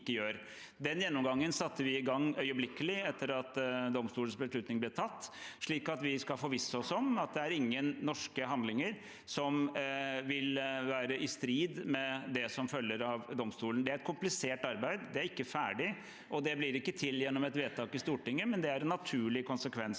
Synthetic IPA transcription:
kːəjøːɾ | d̪ɛnjɛnːɔmɡɑŋːənsɑt̪ːəʋɪɪɡɑŋːœʏəblɪkːəlɪɛt̪ʰːəɾɑt̪d̪ɔmst̪uːln̩sbəsʂɭʉt̪nɪŋblɪʈʰɑt̪ːʂɭiːkɑt̪ʋɪskɑlfɔɾʋɪsːəɔsɔmɑt̪̚d̪ɛæɾɪŋːənːɔʂkəɦɑnd̪lɪŋəɾ | sɔmʋɪlʋæːɾəʔɪst̪ɾiːd̪mɛd̪ɛsɔmfœlːəɾɑʋd̪ɔmst̪uːlənd̪ɛæɾɛt̪kʰʊmplɪseːʈɑɾbæɪd̪d̪ɛæɾɪkːəfæːɖɪ | ʔɔd̪ɛbliːɾɪkːət̪ʰɪljɛnːɔmɛt̪ʋeːt̪ʰɑːkɪst̪uːʈɪŋːəmɛnd̪ɛæɾɛnːɑt̪ʰʉːɭɪkʰʊnsəkʰʋɛns

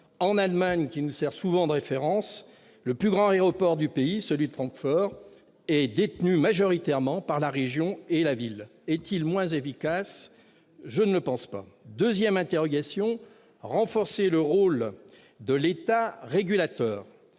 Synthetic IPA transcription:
ɑ̃nalmaɲkʲinusɛʁsuvɑ̃d̪əʁefeʁɑ̃s | ləplyɡʁɑ̃eʁɔpɔʁd̪ypeisəlɥid̪əfχɑ̃kfɔʁ | ɛd̪et̪nymaʒɔʁit̪ɛʁmɑ̃paʁlaʁeʒjɔ̃elavilɛt̪ilmwɛ̃zefikas | ʒənələpɑ̃spa̰d̪øzjɛmɛ̃t̪eʁɔɡasjɔ̃ | ʁɑ̃fɔʁseləʁol | d̪əlet̪aʁeɡʲylat̪œːʁ

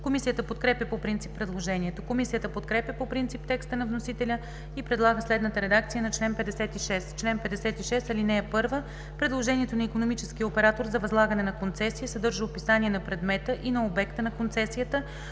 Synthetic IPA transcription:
komisijət̪əpot̪kɾɛpʲjəpopɾint̪sipːɾɛd̪lˠoʒɛniɛt̪okomisijət̪əpot̪kɾɛpʲjɐpopɾint̪sip̚t̪ɛkst̪ənɐvnosit̪ɛlʲə | ipɾɛd̪lˠaɡəslɛd̪nət̪əɾɛd̪ak̚t̪sijənɐt͡ʃlɛnpɛd̪ɛsɛt̪iʃɛst̪t͡ʃlɛnpɛd̪ɛsɛt̪iʃɛst̪ɐlinɛɛpɤɾvə | pɾɛd̪lˠoʒɛniɛt̪onɐikonomit͡ʃɛskijəopɛɾat̪oɾzɐvɐzlˠaɡɐnɛnɐkont̪sɛsiisɐd̪ɤɾʒəopisaniɛnɐpɾɛd̪mɛt̪əʔinɐobɛkt̪ənɐkont̪sɛsijət̪ə

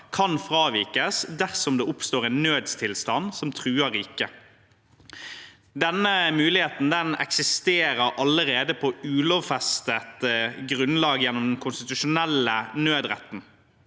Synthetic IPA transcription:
kʰɑnfʁɑːʋiːkəsd̪æʁsɔmd̪eːʊpst̪oːʁɛnːøːd̪st̪ʰɪlst̪ɑnsɔmt̪ʰʁʉːəɾɪkːə | d̪ɛnːəmʉːlɪheːt̪n̩d̪ɛnɛ̰ksɪst̪eːɾəɾʔɑləɾeːd̪əpʰɔʉːloːʋfɛst̪ət̪ɡʁʉnlɑːɡjɛnːɔmd̪ɛnkʰʊnst̪ɪt̪ʉʃʊnɛlːənøːd̪ʁɛ̰t̪ːn̩

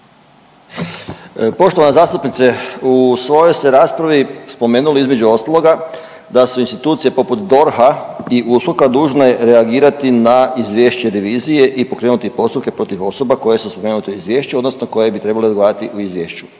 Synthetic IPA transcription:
po̞ʃt̪oʋanezaːst̪upnit̪seusʋo̞jojseɾaːspɾaʋispo̞me̞ːnuleizme̞d͡ʑuo̞st̪alo̞ɡa | d̪asuinst̪it̪uːt̪sije̞po̞put̪d̪o̞ɾhaiʔusɾokad̪uːʒneɾeaɡiːɾat̪inaizʋjeʃt͡ɕeɾeʋiːzije̞ʔipo̞kɾe̞ːnut̪ipo̞st̪upke̞pɾo̞t̪iʋo̞so̞bako̞je̞suspo̞me̞ːnut̪euizʋjeːʃt͡ɕuo̞d̪no̞snoko̞je̞bit̪ɾe̞baled̪ɡoaːɾat̪iʔuizʋjeːʃt͡ɕu̥

